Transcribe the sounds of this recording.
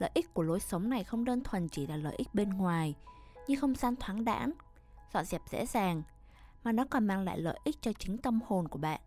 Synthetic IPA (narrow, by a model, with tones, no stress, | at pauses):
lə̰˧˨jʔi˦˥k̟̚ku˧˩əlo˨˦jsə˨˦wŋ͡mna˨˩jxə˧wŋ͡mɗəː˧nt̪ʰwə˨˩nt͡ɕi˧˩laː˨˩lə̰ː˧˨jʔï˦˥k̚ɓe˧nŋwaː˨˩j | ɲɨ˧ŋxə˧wŋ͡mzaː˧nt̪ʰwaː˨˦ŋɗa̰ː˧˥n | zɔ̰˧˨zɛ˨˩p̚zḛ˧˥zaː˨˩ŋ | maː˨˩nɔ˨˦kɔ˨˩nmaː˧ŋla̰ː˧˨jlə̰ː˧˨jʔi˦˥k̚t͡ɕɔ˧t͡ɕï˨˦ŋ̟t̪ə˧mho˨˩nku˧˩əɓa̰ː˧˨nʔ